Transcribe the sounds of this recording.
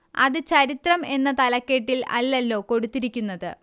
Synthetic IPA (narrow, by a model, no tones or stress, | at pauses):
ɐ̰ðɨt͡ɕɐɾit̪rɐme̞nːɐt̪ɐlɐkːe̞ʈːilɐ̰lːɐlːo̞ːko̞ɽut̪ːiɾikʲːunːɐðɨ